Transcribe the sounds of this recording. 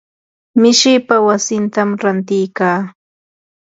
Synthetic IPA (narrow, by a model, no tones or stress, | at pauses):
mɪʃɪjpawasɪnt̪amɾant̪ɪjkaː